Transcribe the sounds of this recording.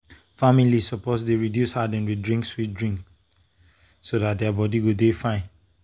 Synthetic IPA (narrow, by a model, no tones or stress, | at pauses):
familisɔposdeɹidjushadɛ̃nwidɹĩŋkswit̚dɹĩŋk | sodat̚dɛabɔdiɡudefãɪ̃n